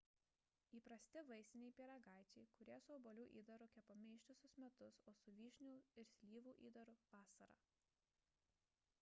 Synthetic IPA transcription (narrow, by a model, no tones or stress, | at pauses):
iːpɾɐsʲt̪ʲɪʋɐɪsʲɪnʲɛɪpʲiːɾɐɡɑˑɪt͡ʃʲɛɪkʊɾʲiɛsʊɔbɔlʲuːʔiːd̪ɐɾʊkʲɛpomʲɛɪʃʲt̪ʲʊsʲʊsmʲɛt̪ʊsoːsʊʋʲiːʃʲnʲuːɪɾsʲlʲiːʋuːʔiːd̪ɐɾʊʋɑːsɐɾɑ̰ː